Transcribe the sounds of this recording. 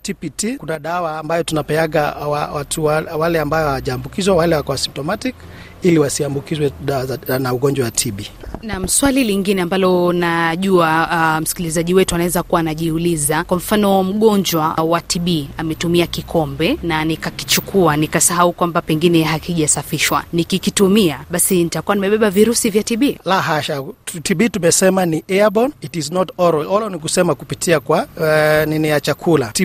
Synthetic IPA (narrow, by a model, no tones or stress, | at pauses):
tipitikunaɗawaːmbajɔtunapɛaɡawawatʰuawalɛambajɔhaaʄaːmbukizwawalɛwakɔwasimtɔmatik | iliwasiambukizwɛɗawaanauɠɔɲd͡ʒwawatʰiɓinam̩swaliliŋɡinɛambalɔnaʄuam̩skilizaʄiwɛtuanaɛzakuwanaʄiulizakwam̩fanɔm̩ɠɔɲd͡ʒwawatiɓiamɛtumiakikʰɔmbɛnanikaki̥t͡ʃukʰuanikasaɦaukwambapɛŋɡinɛɦakiʄasafiʃwa̰nikikitumiaɓasinitakuanimɛɓɛɓaviɾusivjatiɓiːlaɦaʃatiɓitumɛsɛmaniɛabɔnitiznɔtɔɾɔɔlɔnikusɛmakupitʰiakwaninɛjat͡ʃakʰulati